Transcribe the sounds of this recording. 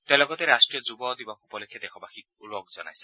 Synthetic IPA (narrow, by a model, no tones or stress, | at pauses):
t̪elɔɡɔt̪eɾasʈɾiɔd͡ʒubɔd̪ibakupɔlɔkʰjɔd̪ekʰɔbaxik̚ulɔɡd͡ʒɔna̰jsi̥